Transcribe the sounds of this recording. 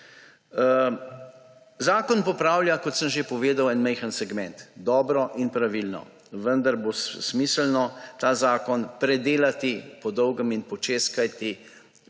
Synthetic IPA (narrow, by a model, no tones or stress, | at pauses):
zaːkɔnpɔpɾaːwljakɔt̪səmʒepɔʋeːd̪awɛnmɛjxənsɛɡmɛnt̪d̪ɔːbɾɔʔinpɾaʋilnɔ̰ | ʋənd̪aɾbossmisəlnɔt̪aːzaːkɔnpɾɛd̪eːlat̪ipɔd̪ɔwɡəminpɔt͡ʃeːskajt̪i